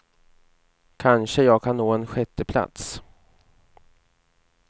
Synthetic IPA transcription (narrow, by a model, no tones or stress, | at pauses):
kʰanʂəjɑːɡ̚kʰanːoːɛnɧɛt̪ːəpʰla̰t̪s